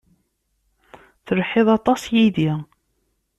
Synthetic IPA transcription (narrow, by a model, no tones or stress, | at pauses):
θəlħeðˤɑt̪ˤɑsjiði